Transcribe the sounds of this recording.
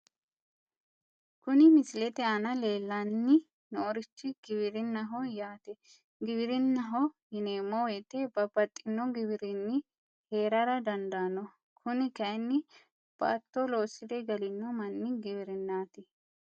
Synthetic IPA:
kʊnɪmɪsɪlɛt̪ɛanɐleːlːanːɪ | noːɾɪt͡ʃːɪɡ̥ɪbɪɾɪnːɐɦɔjaːt̪ɛ | ɡɪbɪɾɪnːɐɦɔhɪneːmːɔwɛt̪ɛb̥ɐbɐt̪ʼːɪnːɔɡɪbɪɾɪnːɪ | heːɾɐɾɐd̪ɐnd̪aːnɔ | kʰʊnɪkɐjnːɪ | b̥a̰ːt̪ːɔloːsːɪd̪ɛɡɐlɪnːɔmɐnːɪɡɪβɪɾɪnːaːt̪ɪ

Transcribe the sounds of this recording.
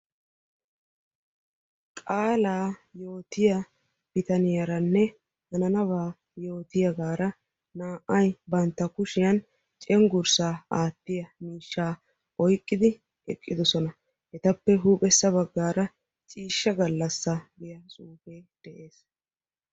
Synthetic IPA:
kʼaːlaːjo̞ːt̪ɪjɐ | b̥ɪt̪ɐnɪjɐɾɐnːɛ | hɐnɐnɐβaː | jo̞ːt̪ɪjɐɡaːɾɐ | naːʔɐjbɐnt̪ːɐkʊʃɪjɐn | t͡ʃʼɛŋɡʊɾsaːaːt̪ːɪjɐmiːʃːaː | ɔjkʼːɪd̪ɪ | ɛ̰kʼːɪd̪ɔsɔnɐ | hɛt̪ɐpːɛɦuːpʼɛsːɐβɐɡːaːɾɐ | t͡ʃʼiːʃːɐɡɐlːɐsːɐɡɪjɐsʼuːfeːd̪̥ɛʔe̞ːs

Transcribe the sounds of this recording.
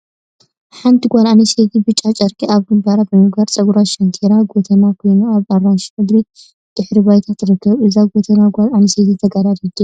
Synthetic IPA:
ħant̪ʰiɡʷalaniset̪ʰibɨt͡ʃʼːat͡ʃʼɐɾkʼiʔaβɡɨmbɐɾabɨmɨɡbɐɾt͡sʼɐɡuɾaʃɐnt̪ʰeɾaɡot̪ʰɐnakʰo̞jnuaβaɾːanʃmɨd̪ɾi | d̪̥ɨħɾiβajt̪ʰat̪ɾɨkːɐβɨzaɡot̪ʰɐnaɡʷalʔaniset̪ʰit̪ʰɐɡaɾad̪id̪i

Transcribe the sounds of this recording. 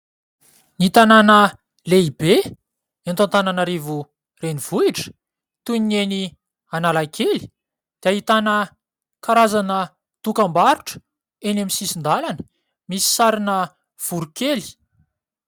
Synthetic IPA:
nit̪ananə | leibe | ent̪ãnt̪ananaɾivu | renivuiʈ͡ʂə̥ | t̪uneni | analakʰeli̥ | d̪̥eaɦit̪anə | kaɾazanə | d̪̥ukambaɾuʈ͡ʂə̥ | enamisisind̪alanə̥ | misi̥saɾinə | v̥uɾukeli̥

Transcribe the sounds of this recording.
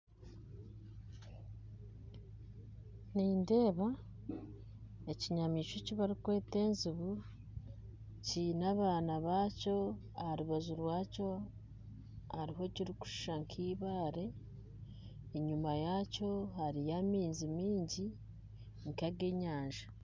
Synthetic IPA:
niːnde̞ːβa | eciɲamiːʃociβaɾikwe̞ːte̞ːnziβu | cinaβaːnaβaːco̞ | aɾuβazuɾwaːco̞ | aɾiɦo̞ciɾiku̥ʃu̥ʃaŋkʰiːβaːɾe̞ | ɲumajaco̞haɾijamiːnzimiːɲɟi | ŋkaɡe̞ɲaːɲʒa

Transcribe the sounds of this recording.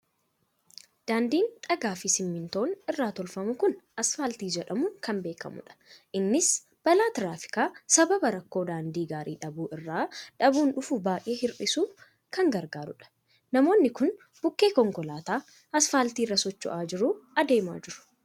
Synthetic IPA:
d̪̥aːnd̪iːnt̪ʼɐɡaːfisɪmːɪnt̪o̞ːnɪrːaːt̪ɔlfɐmʊkʊnɐsfaːlt̪iːd͡ʒɛᶑɐmukɐmbe̞ːkɐ̰mʊ̰ᶑɐ̥ʔɪnːɪs | b̥ɐlaːt̪ɪɾaːfɪ̥kaːsɐbɐbɐɾɐkːo̞ːd̪aːnd̪iːɡaːɾʔiːᶑɐbuːʔɪrːaːᶑɐbuːnᶑʊfʊbaːʔeːhɪɾʔɪsuː | kɐŋɡɐɾɡaːɾʊᶑɐ̥ | nɐmo̞ːnːɪkʊn | b̥ʊkːe̞ːkɔŋkɔlaːt̪aː | ɐsfaːlt̪iːrːɐsɔt͡ʃːʊ̰ʔaːd͡ʒɪɾʊɐd̪e̞ːma̰ːd͡ʒɪɾʊ̥

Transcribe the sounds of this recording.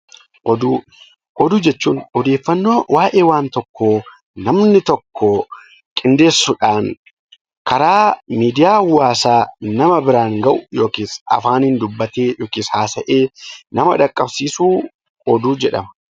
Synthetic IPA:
ʔɔd̪uː | ʔɔd̪uːd͡ʒɛt͡ʃːuːnɔd̪e̞ːfːɐnːo̞ːwaːʔe̞ːwaːnt̪ɔkːoː | nɐmnɪt̪ɔkːɔ | kʼɪnd̪e̞ːsːʊᶑaːn | kɐɾaːmiːd̪ɪjaːwaːsaːnɐmɐbɪɾaːŋɡɐʔʊ̥jo̞ːkiːsɐ̰faːnhɪnd̪ʊbːɐt̪eːjoːkiːshaːsɐʔeːnɐmɐᶑɐkʼːɐbsiːsuː | ɔd̪uːd͡ʒɛᶑɐmɐ̥

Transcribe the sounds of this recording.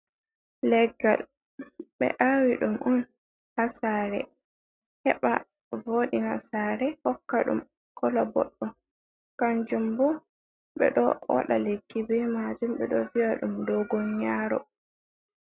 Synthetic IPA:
lɛɡːal | ɓɛ̰ʔawiɗumʔɔn | hasaːɾɛ | hɛɓa̰ | voːɗinasaːɾɛhɔkːaɗṵm | kʰɔlɔbɔ̰ɗːɔ | kaɲd͡ʒumbɔ | ɓɛ̰ɗɔwa̰ɗalekːibɛmad͡ʒumɓɛɗɔvijaɗumdɔɡɔɲɲaːɾɔ̰

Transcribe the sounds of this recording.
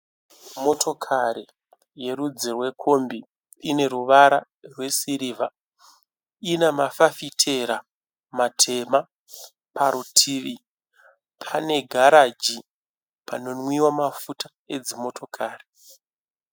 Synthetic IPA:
mo̞tʰo̞kʰaɾi | je̞ɾud͡zirwe̞kʰo̞mbiː | ne̞ɾuʋaɾa̰ | rwe̞siɾiːva | inamafafitʰe̞ɾa | matʰe̞ma | paɾutʰiːʋi | pʰane̞ɡʱaɾad͡ʒi | pʰano̞nwiwamafutḁ | e̞d͡zimo̞tʰo̞kʰaːri

